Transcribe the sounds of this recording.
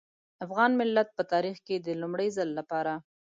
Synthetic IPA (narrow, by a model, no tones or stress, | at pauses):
afɣɑnmɪlːat̪̚pət̪ɑɾixked̪əlumɽəjzəlːapɑɾa